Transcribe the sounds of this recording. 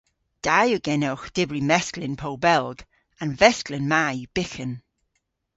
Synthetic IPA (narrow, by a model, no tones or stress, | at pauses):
d̥ajəɡ̥ɛnɛwxd̥ɪbɹimɛsklɪnpʰolˠbɛlˠɡ̥ | ãnvɛsklɪnmajəb̥ɪxən